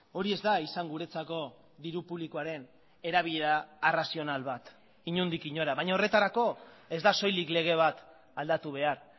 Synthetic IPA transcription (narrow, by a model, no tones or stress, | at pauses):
o̞ɾie̞zd̪aisaŋɡuɾe̞t͡sako̞ | ðiɾupuβlikoaɾe̞n | e̞ɾaβiʎeɾaerasio̞nalβat̪ | iɲund̪ikiɲo̞ɾaβaɲao̞re̞t̪aɾako̞e̞zd̪aso̞jlikle̞ɣ̞e̞β̞at̪ | ald̪at̪uβ̞e̞aɾ